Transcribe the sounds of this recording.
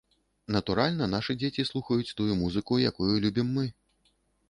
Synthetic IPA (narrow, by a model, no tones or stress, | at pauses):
nɐt̪uɾalʲnɐnaʂɨd͡zʲet͡sʲislˠuxɐjut͡sʲt̪ujumuzɨkuja̰kujulʲubʲimːɨ